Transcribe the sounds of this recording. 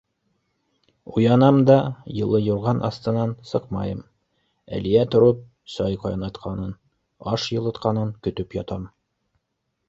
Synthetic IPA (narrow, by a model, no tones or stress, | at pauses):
ujɑnɑmd̪ɑjɤ̆lˠɤjŭɾʁɑnʔɑ̰st̪ɤ̆nɑnsɤqmɑ̰jɤm | æ̰liæt̪ŏɾɤp̚ | sɑjqɑjɑnɑt̪qʰɑnɤn | ɑʃjɤ̆lˠɤ̆t̪qɑnɤŋkɵ̆t̪ɵpjɒt̪ɑm